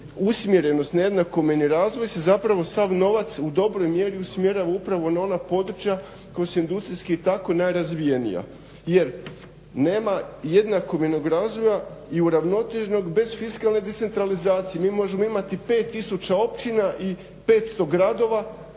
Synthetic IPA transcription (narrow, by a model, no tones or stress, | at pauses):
usmje̞ɾe̞no̞st̪naje̞d̪nako̞meniɾaːzʋo̞jse̞zapɾaʋo̞saʋno̞ʋat̪sud̪o̞bɾo̞jmje̞ɾiusmje̞ɾaʋaupɾaʋo̞nao̞napo̞d̪ɾut͡ʃja | kooseind̪ust̪ɾiskit̪ako̞najɾazʋije̞nḭja̰ | je̞ɾ | ne̞ːmaje̞d̪nakomeno̞ɡɾaːzʋo̞jaiuɾaʋno̞t̪e̞ʒno̞ɡbe̞zfiskalˠne̞d̪ese̞nt̪ɾalizaːt̪sijemiːmo̞ʒe̞mo̞imat̪ipe̞ːt̪ːisut͡ʃao̞pt͡ʃinaʔi | pe̞ːt̪st̪o̞ɡɾad̪o̞ʋa